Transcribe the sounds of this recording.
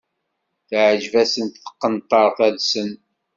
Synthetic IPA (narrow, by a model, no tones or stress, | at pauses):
θʕəd͡ʒvæsənt̪θə̥qːənt̪ˤːəɾˤθæðsən